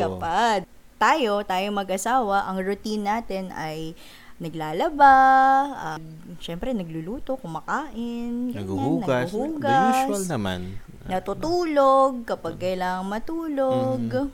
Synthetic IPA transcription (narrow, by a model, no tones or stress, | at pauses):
kɐpad̪̚ | t̪aːjo̞t̪aːjomɐɡʔɐsaːwɐʔɐŋɹʊt̪inːaːt̪ɛnɐj | nɐɡlaːlɐba | ɐɡ | ʃɛmpɾɛnɐɡ̚lʊluːt̪o̞kʊmɐkaːʔɪnɡɐɐɡaunɐɡɡɐʊhuːɡɐsɐlnɐma̰n | nɐt̪ʊt̪uːloɡ̚kɐpɐɡ̚kɐjlaːŋɐŋmɐt̪uːloɡ